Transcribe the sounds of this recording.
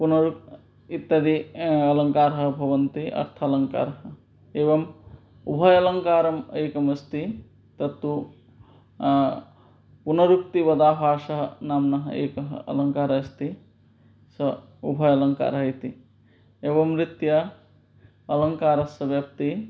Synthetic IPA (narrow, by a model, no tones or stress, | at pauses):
punɐɾuk̚ | it̪ːɐd̪iɐlɐŋkaːɾɦɐbʱɐbɐnt̪iʔɐ̰ɾt̪ʰɐlɐŋka̰ːɾɦɐ | ebɐm | ṵbʱɐjɐlɐŋkaːɾɐmekɐmɐst̪i | t̪ɐt̪ːu | punɐɾukt̪ibɐd̪aːbaːsɐɦnaːmnɐɦɐ̰ḛkɐɦɐ̰lɐŋkaːɾɐst̪i | sɐ | ubʱɐjɐlɐŋka̰ɾɐɦit̪i | ebɐmɾit̪jɐ | ɐlɐŋkaːɾɐsɐbjɐp̚t̪i